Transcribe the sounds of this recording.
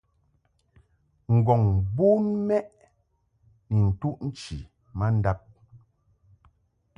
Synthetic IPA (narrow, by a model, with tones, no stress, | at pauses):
ŋ̩˨ɡɔ˨ŋbu˦nmɛ˦ʔ | ni˨n̩˨tu˦ʔn̩˦t͡ʃi˨ | ma˦n̩˦da˦p̚